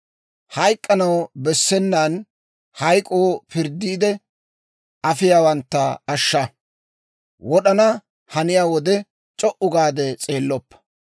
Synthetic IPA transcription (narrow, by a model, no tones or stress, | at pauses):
hɐjkʼːɐnɐwbɛsːɛnːan | hɐjkʼoːpɪɾd̪iːd̪ɛ | ɐfɪjaːwɐnt̪ːɐɐʃːɐ | wɔɗɐnɐ | hɐnɪjaːwɔd̪ɛ | t͡ʃʼɔʔʊɡaːd̪ɛt͡sʼe̞ːlːɔpːɐ̥